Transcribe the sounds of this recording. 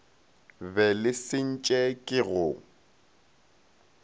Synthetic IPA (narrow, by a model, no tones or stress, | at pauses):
bɛlɪsɪn̩t͡ʃʼɛkʼɪɣʊ